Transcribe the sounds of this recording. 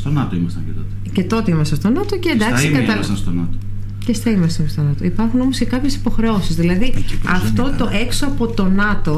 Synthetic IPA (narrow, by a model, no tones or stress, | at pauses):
st̪onɐt̪oimɐst̪ɐ̰ɲcet̪ot̪ | ce̞t̪o̞t̪eimɐsɐ̃st̪o̞nɐt̪oceend̪ɐksikɐɐɐsɐst̪onɐ̰t̪o | cest̪ɐimɐst̪ɐnst̪o̞nɐt̪oipɐɾxuno̞mosce̞kɐpçe̞si̥po̞xɾe̞o̞sizðilɐðiɐft̪o̞t̪o̞ʔe̞ksoɐpo̞t̪o̞nɐt̪o̞